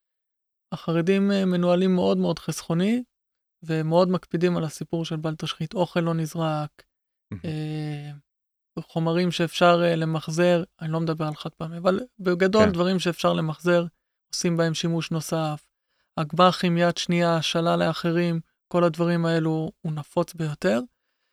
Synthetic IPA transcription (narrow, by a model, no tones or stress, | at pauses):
aχaʁedimemːe̞nualimːe̞ʔo̞dmeo̞dχesχo̞ni | vemeo̞dmakpidimalasipuʁʃe̞lbalt̪aʃχit̪o̞χe̞lːo̞nizʁak | e | χo̞maʁimʃe̞ːfʃaʁle̞maχze̞ʁanilo̞med̪abe̞ʁalχatpamiavalbeɡado̞ld̪vaʁimʃe̞ːfʃaʁle̞maχze̞ʁ | o̞simbae̞mʃimuʃno̞saf | aɡbaχimijatʃniaʃalaleaχe̞ʁim | ko̞lad̪vaʁimae̞luːnafo̞t͡sbejo̞t̪e̞ʁ